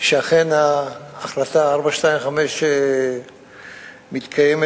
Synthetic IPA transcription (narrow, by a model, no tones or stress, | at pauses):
ʃeaχenaːχlat̪aaɾbaʃtaimχameʃe | mit̪kʰajeme